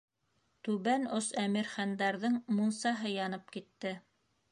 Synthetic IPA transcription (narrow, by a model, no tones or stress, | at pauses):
t̪ʉβænosæmiɾχænd̪ɑɾðɤɴmunsɑɦɤjɑnɤp̚kit̪ːɘ